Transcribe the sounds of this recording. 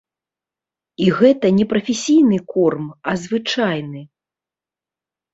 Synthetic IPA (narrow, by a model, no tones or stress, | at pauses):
iɣɛt̪ɐnʲɛpɾɐfʲesʲijnɨkɔrmɐzvɨt͡ʂajnɨ